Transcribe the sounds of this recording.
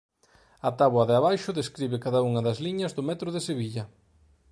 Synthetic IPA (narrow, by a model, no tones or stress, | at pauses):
ɐt̪aβwɐðeaβajʃʊðeskɾiβɪkaðɐuŋɐðɐzliɲɐzðʊmɛt̪ɾʊðeseβiʎɐ